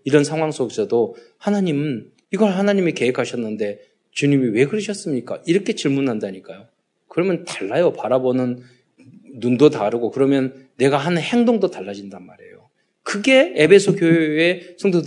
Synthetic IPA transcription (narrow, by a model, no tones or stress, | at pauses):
iɾʌnsʰaŋwaŋs͈oɡesʰʌdo | hanaɲimɯn | iɡʌɭɦanaɲimike̞ɦekʰaɕʰʌnːɯnde̞ | t͡ɕuɲimiwe̞ɡɯɾɯɕʰʌs͈ɯmɲik͈a̰ʔiɾʌkʰe̞t͡ɕiɭmunɦandaɲik͈ajo | kɯɾʌmjʌntḁɭːajopaɾabonɯnː | undotaɾɯɡokɯɾʌmjʌnːe̞ɡaɦanhe̞ŋdoŋdotaɭːad͡ʑindanma̰ɾe̞̰jo | kɯɡe̞ebʰe̞sʰokjoesʰʌŋdo